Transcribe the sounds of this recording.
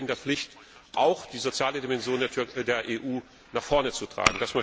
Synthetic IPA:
ɪndeːɐflɪçt | ʔaʊxd̥iːzot͡sjaːlədimɛnzjoːndeːɐʔeːʔuː | naχfɔɐnət͡sutʁ̥a̰ːɡŋ̩dasma

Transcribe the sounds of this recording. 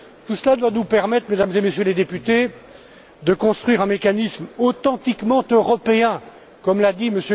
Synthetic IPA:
t̪usəlad̪wanupɛʁmɛt̪χmed̪amzemesjøled̪epyt̪e | d̪əkɔ̃st̪χɥiʁɛ̃mekanismot̪ɑ̃t̪ikmɑ̃t̪øʁɔpeɛ̃ | kɔmlad̪iməsjø

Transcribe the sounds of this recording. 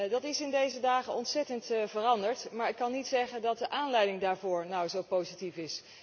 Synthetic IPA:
dɑtɪsɪndejzədaːχənɔntsɛtəntvərɑndəɹtmaːɹɪkːɑnːitsɛχəndɑt̚dəʔaːnlɛjdɪŋdaːɹvʊːɹnʌwzowpowzitifɪs

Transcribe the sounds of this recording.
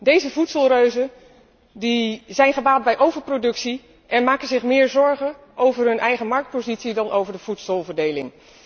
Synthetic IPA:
dejzəvutsəlˠrøɥzə | dizɛjnχəbaːd̚bɛjʔowvəɹprodɵksi | ʔɛnmaːkənzɪχmɪːɹzɔɹχə | ʔowvəɹɦɵnʔɛjχəmɑɹk̚t̚pozitsidɑnʔowvəɹdəv̥utsəlˠvəɹdejlɪ̰ŋ

